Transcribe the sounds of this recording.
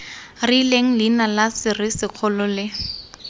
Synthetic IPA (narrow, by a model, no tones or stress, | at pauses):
rileŋ̩linalasɪrɪsɪq͡χʰɔlɔlɪ